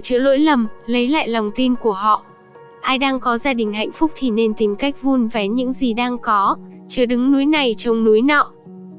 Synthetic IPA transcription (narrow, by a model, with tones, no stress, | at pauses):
t͡ɕɨ̰˧˥əlo̰˧˥jlə˨˩mlə˨˦jla̰ː˧˨jlɔ˨˩wŋ͡mt̪i˧nku˧˩əɦɔ̰˧˨ | ʔaː˧jɗaː˧ŋkɔ˨˦zaː˧ɗï˨˩ŋ̟ha̰˧˨jŋ̟fʊ˦˥k͡p̚t̪ʰi˨˩ne˧nt̪i˨˦mka˦˥jk̟̚vu˧nvɛ˨˦ɲɨ̰˧˥ŋzi˨˩ɗaː˧ŋkɔ˨˦t͡ɕɨː˨˦ɗɨ˨˦ŋnu˨˦jna˨˩jt͡ɕə˧wŋ͡mnu˨˦jnɔ̰˧˨ʔ